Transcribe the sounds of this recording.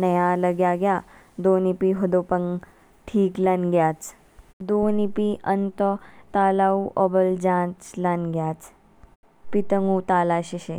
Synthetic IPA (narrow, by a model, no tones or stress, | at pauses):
nɐjalɐɡjaɡja | d̪oːnipiɦod̪oːpɐŋ | ʈʰiːklanɡjaːt͡s | d̪oːnipiənt̪ɔt̪aːlaːuʔɔbəld͡ʒãːt͡ʃlanɡjaːt͡s | pit̪əŋut̪aːlaːɕiɕe